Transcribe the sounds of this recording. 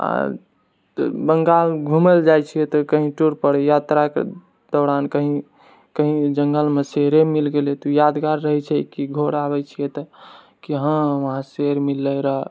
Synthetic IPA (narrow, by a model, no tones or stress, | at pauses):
a̰ | bəŋɡalɡʱumeld͡ʒajt͡ʃʰijɛt̪ɔkəɦĩʈuɾpəɽjat̪ɾakḛ | d̪̥ɔɾankəɦĩ | kəɦĩd͡ʒəŋɡəlmeseɾemilɡelet̪ujad̪ɡaɾːəɦɛt͡ʃʰɛkiɡʱoɽabɛt͡ʃʰijɛt̪ɔ | kiɦə̃ʋəɦãseɾmilːəɾəɦ